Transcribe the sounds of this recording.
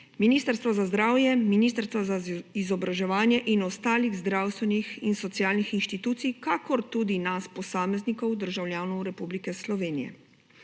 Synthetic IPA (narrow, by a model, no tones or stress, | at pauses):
miniːst̪əɾst̪ʋɔzazd̪ɾaːwjɛminist̪əɾst̪ʋazaizɔbɾaʒɛʋaːnjɛʔinɔst̪aːliɣzd̪ɾawst̪ʋɛnixinsɔt̪sijaːlnixinʃt̪it̪uːt̪sijkakɔɾt̪ud̪inaspɔsaːmɛznikɔwd̪əɾʒawljaːnɔwɾɛpublikɛslɔʋeːnijɛ̰